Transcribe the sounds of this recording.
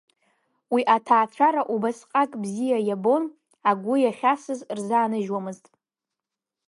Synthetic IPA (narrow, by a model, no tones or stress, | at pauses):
wiʔatʰaːt͡ɕʷʰaɾaʔubasqʼakʼbzijajabo̞n | aɡʷʊjaχʲasɨzrzaːnɨʒwamɨztʼ